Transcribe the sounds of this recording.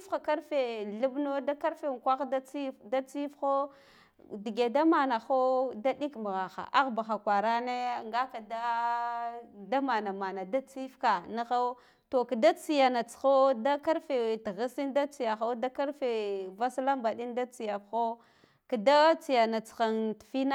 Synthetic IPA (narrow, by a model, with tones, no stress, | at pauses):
i˦fxa˨ka˦ɾfe˨ɮu˦bno˦da˦ka˦ɾfe˨ŋ˨kʷa˦xda˦t͡si˦fda˦t͡si˦fxo˦ | di˨ɡe˨da˦ma˨na˨xo˦da˦di˦km˨ɣa˨xa̰˨ʔa˦ɣba˨xa˨kʷa˨ɾa˦ne˦˨ŋɡa˦ka˨da˦ | da˦ma˨na˨ma˨na˨da˦t͡si˦fka˨na˦ɣa˦ | to˨ka˨da˦t͡si˨ja˨na˨t͡sxo˦da˦ka˦ɾfe˨tɣi˦si˦nda˦t͡si˨ja˨xa˦da˦ka˦ɾfe˨va˦sla˦mba˨ɗi˦nda˦t͡si˨ja˨fxo˦ | ka˨da˦t͡si˨ja˨na˨t͡sxa˨ntfi˦na˦